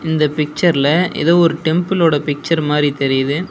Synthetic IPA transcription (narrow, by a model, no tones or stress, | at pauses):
ɪnd̪ɐpɪk̚t͡ʃɐɾɪlɐɪ̰ðoːɔɾɯʈɛmpɪloːɽɐpɪk̚t͡ʃɐɾmaːd̪ɾit̪ɛɾɪjɐðɯ